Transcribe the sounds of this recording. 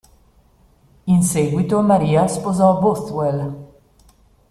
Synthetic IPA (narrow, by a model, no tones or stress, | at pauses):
inseɡwit̪omaɾiːaspozɔboθwɛl